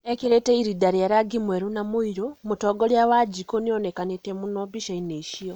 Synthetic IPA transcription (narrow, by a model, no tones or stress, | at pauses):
ekiɾeteiɾidaɾiaɾaɡimweɾunamuiɾomutoɡoljawad͡ʒikonionekanetemunobiʃaineiʃio